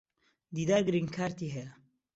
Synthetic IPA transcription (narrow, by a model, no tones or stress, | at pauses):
d̪iːd̪aːɡɨɾiŋkʰaːɾt̪iːɦɛjɐ